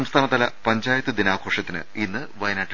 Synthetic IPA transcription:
mst̪ʰaːnɐt̪ːɐlɐpɐɲd͡ʑaːjɐt̪ːɨd̪inaːkoːʂɐt̪ːinɨ̰inːɨʋɐjɐnaːʈː

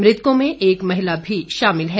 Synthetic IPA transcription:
mɾɪt̪kõmẽʔeːkmɐɦɪlabʱiʃaːmɪlɦɛ

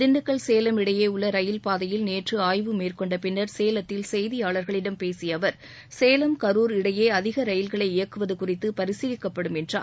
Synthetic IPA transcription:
d̪ɪɳɖɯkːɐɭseːlɐmɪɽɐjeːʊɭːɐɾɐjɪlpaːðɐjɪlneːʈrɯaːjʋɯmeːrkɔɳɖɐpɪnːɐɾseːlɐt̪ːɪlsɛjðɪjaːɭɐɾɣɐɭɪɽɐmpeːsɪjɐʋɐɾ | seːlɐmkɐɾuːɾɪɽɐjeːɐðɪɣɐɾɐjɪlɣɐɭɐɪɪjɐkːɯʋɐðɯkʊrɪt̪ːɯpɐɾɪsɪðɪkːɐpːɐɽɯmɛndra̰ː

